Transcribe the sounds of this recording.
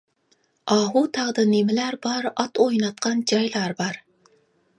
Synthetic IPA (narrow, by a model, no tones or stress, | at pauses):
ʔɑːɦut̪ʰæʁd̪ɨnemɪlæɾbɑɾɑt̪ojnɑt̪̚qʰɑnd͡ʒɑjlˠɑɾbɑɾ